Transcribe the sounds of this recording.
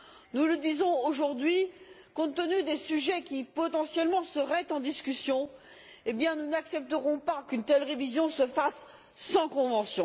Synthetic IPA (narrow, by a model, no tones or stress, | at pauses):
nuləd̪izɔ̃oʒuʁd̪ɥikɔ̃t̪ənyd̪esyʒɛkʲipɔt̪ɑ̃sjɛlmɑ̃səʁɛt̪ɑ̃d̪iskʲysjɔ̃ | ebjɛ̃nunaksɛp̚t̪əʁɔ̃pakʲynt̪ɛlʁevizjɔ̃səfasː | ɑ̃kɔ̃vɑ̃sjɔ̃